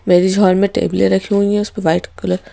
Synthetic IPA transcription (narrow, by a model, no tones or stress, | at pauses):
meːɾid͡ʒʱɔːɾmẽʈḛːblḛɾɐkʰiɦũɛ̃ʊspẽʋaːɪʈkʊləɾ